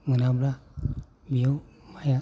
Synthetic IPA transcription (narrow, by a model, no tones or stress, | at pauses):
ŋɯnabla | bijɔwmaja